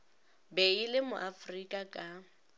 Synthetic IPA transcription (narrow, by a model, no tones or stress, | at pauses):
beilɪmʊ̰ʔafrikʼakʼa